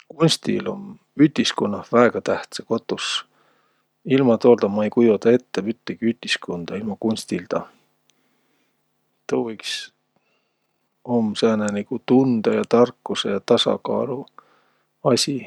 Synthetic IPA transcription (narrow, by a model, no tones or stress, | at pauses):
kunʲst̪ḭlo̞̰m | yt̪iskonːɑvæeɡ̥ɑt̪æht̪seko̞t̪ːˑus | ilmɑt̪o̞ːld̪ɑmɑejkujot̪ɑe̞t̪ːepyt̪ːeɡ̥iyt̪ʲiskond̪̥ɑilmɑkunʲst̪ild̪̥ɑ | t̪ovojks | omːsæːneniɡ̥ut̪und̪̥ɑjɑt̪ɑrkːusejɑt̪ɑsɑ̰kɑ̰ːlu | ɑsʲi